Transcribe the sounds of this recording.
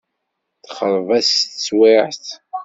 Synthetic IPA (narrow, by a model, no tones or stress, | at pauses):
θχəɾˤvæst͡sːwɪʕθ